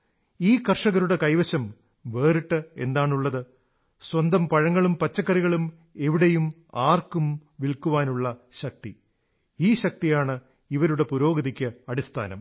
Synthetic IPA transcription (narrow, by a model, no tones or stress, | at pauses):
iːkɐrʂɐɣɐɾuɽe̞kɐjʋɐɕɐm | ʋe̞ːriʈːɨe̞̰nd̪aːɳuɭːɐðɨ | swɐnd̪ɐmpɐɻɐŋːɐɭumpɐt͡ɕːɐkːɐriɣɐɭum | e̞ʋiɽejum | aːrkumʋilkuʋaːnuɭːɐɕɐk̚t̪i | iːɕɐk̚t̪ijaːɳɨ | iʋɐɾuɽe̞puɾo̞ːɡɐðikʲːɨɐɽist̪ʰa̰ːnɐ̰m